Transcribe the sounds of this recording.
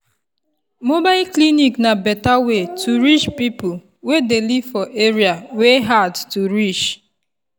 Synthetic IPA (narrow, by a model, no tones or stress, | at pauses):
mobaɪlkliniknabɛtawetʰuɾit͡ʃpipʊl | wedelifɔʔeɾiaweɦadtuɾit͡ʃ